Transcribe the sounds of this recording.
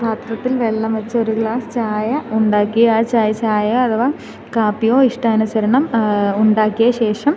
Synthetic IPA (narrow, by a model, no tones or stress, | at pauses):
pʰaːt̪rɐt̪ːilʋe̞ɭːɐmʋɐt͡ɕːɐo̞ɾuɡɭaːst͡ɕaːjɐuɳɖaːkːijɐt͡ɕaːjɐt͡ɕaːjɐɐt̪ʰɐʋaː | kaːpːijoːiʂʈaːnusɐɾɐɳɐmuɳɖaːkːijɐɕe̞ːʂɐm